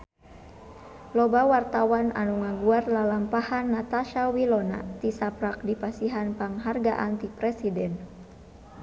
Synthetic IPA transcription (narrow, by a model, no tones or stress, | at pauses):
lɔbawart̪awana̰nuŋaɡuarlalampahanːat̪aʃawilɔna̰t̪isapɾak̚dipasiɦanpaŋɦarɡa̰ʔant̪ipɾɛsidɛn